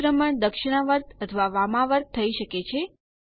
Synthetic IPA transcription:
ɾəməɳd̪əkʃɪɽ̃əʋəɾt̪ət̪ʰʋaʋamãʋəɾt̪ʰːəiʃəket͡ʃʰe

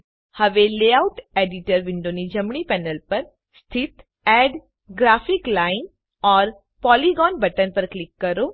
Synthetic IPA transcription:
hɐʋeleaʊʈeːɖɪʈəɾʋɪ̃ɳɖonid͡ʒɐmɳipɛːnəlpɐɾ | st̪ʰɪt̪ | ɛːɖ | ɡɾaːfiklaːɪn | ɔːɾ | pɔːliɡɔːnbɐʈənpɐɾklɪkːɐɾo

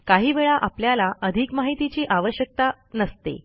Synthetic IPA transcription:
kaɦiːʋeɭaʔapljalaʔəd̪ʱikmaɦit̪it͡ɕiːʔaʋəɕjək̚t̪a | nəst̪ḛ

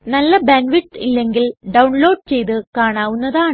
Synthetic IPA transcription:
nɐlːɐbenʋiʈːilːeŋɡilɖɐwɳlo̞ːɖ̚t͡ɕe̞jt̪ɨkaːɳaːʋunːɐðaː

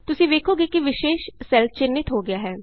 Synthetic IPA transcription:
t̪ʊsĩːd̪eːkʰoːɡiːkiʋɪʃeːʃsɛlfʰt͡ʃɪnːɪt̪ɦoːɡɪjaːɦɛː

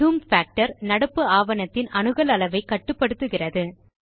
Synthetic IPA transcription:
uːmfaːk̚ʈɐɾnɐɽɐpːɯaːʋɐnɐt̪ːɪnɐnɯɣɐlɐlɐʋɐɪkːɐʈːɯpːɐɽɯt̪ːɯɣɪrɐðɯ

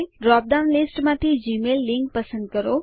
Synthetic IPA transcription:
ɖɾɔp̚d̪aʊnlɪsʈmãt̪ʰid͡ʒimelːɪ̃ŋk̚pəsə̃nd̪̚kəɾo

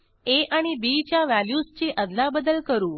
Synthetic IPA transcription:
eʔaɽ̃ibit͡ɕjaʋæljust͡ɕeʔəd̪labəd̪əlkəɾũː

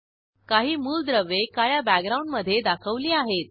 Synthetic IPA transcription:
kaɦiːmuːld̪ɾəʋːekajabæk̚ɡɾauɳɖməd̪ʱːjed̪akʰəʋliːaɦet̪̚

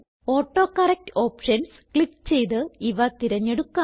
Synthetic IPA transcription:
o̞ːʈːo̞ːkɐrek̚to̞ːpʂɐns | kɭikːt͡ɕe̞jt̪ɨiʋɐt̪iɾɐɲːeɽukːa

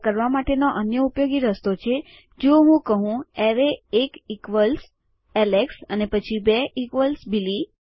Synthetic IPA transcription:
kəɾʋamaʈenoʔənjəupjoɡiɾəst̪ot͡ʃʰe | d͡ʒoɦũkəɦũɛɾeekikʋəls | ɛleksənepət͡ʃʰibɛʔikʋəlsbili

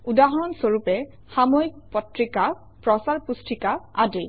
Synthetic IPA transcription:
udaɦɔɹɔnsoɹupɛ | xamoik̚pɔtɹika | pɹɔsaɹpustɹikaa̰dej

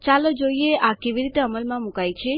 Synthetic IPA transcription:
t͡ʃalod͡ʒoieakeʋiɾit̪eəməlmãmukajt͡ʃʰe

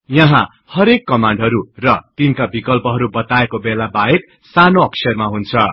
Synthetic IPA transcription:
jʌɦã | hʌɾekːʌmaɳɖɦʌɾurʌt̪inkabikʌlpʌɦʌɾubʌt̪aekobelabaek | sanoʌksʰʌrmaɦunt͡sʰʌ

